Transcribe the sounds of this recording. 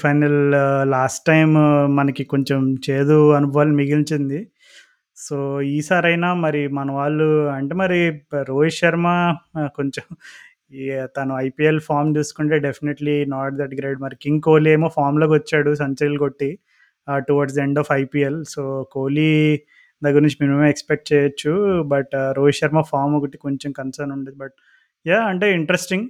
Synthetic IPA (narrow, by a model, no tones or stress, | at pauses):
pʰɐjnɐllaːsʈːɐjmːɐnɐkiko̞ɲt͡ʃemt͡ʃe̞ːd̪uɐnubɐʋaːlɐnimiɡiɲt͡ʃind̪i | soːiːsaːɾɐjnaːmɐɾimɐnɐʋaːɭːuɐɳʈe̞ːmɐɾiɾoːjʃɐɾmako̞ɲt͡ʃem | t̪ɐnuɐjpiːelpʰaːɾmt͡ʃuːsu̥kuɳʈe̞ːɖepʰineʈlinaːɾʈd̪ɐɖɡɾeːɖmɐɾikiŋɡkoːlieːjmoːpʰaːɾmlo̞ːkʋɐt͡ʃːaːɽusɐɲt͡ʃɐɾilko̞ʈːi | ʈuʋaːɾɖsɐe̞ɳɖɔːfɐjpiːelsoːkoːli | d̪ɐɡɐɾuɲt͡ʃimimemeekspek̚ʈ̚t͡ʃɛːjɐt͡ʃːubɐʈɾoːjʃɐɾmaːpʰaːɾmoɡɐʈiko̞ɲt͡ʃomkɐnsɐɾnuɳɖeːd̪ibɐʈ̚ | jaːɐɳʈe̞ːiɳʈɾesʈiŋɡ